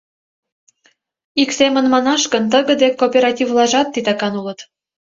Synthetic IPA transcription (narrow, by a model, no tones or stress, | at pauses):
iksemə̆nmɑnɑʃkənt̪əɣə̆d̪ekːopʲeɾɑtʲivlˠɑʒɑt̪ːit̪ɑkɑnulɤ̆t̪